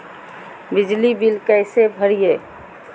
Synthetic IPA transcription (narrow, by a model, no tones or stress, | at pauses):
bɪd͡ʒlibilkɛɪsebʱəɾieː